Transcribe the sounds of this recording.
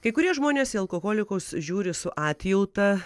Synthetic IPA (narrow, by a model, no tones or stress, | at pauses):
kɐɪkʊɾʲiɛʒmoːnʲeːsɪɐlˠkoːkoːlʲɪkɐʊsʒʲuːɾʲɪsʊʔɑːt̪ʲjɪlˠt̪ɐ